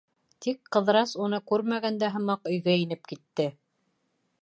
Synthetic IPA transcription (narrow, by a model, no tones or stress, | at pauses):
t̪ikqɤ̆ðɾɑsunɤkʉɾmæɣænd̪æɦɤ̆mɑqɵ̆jɡæinɘp̚kit̪ːɘ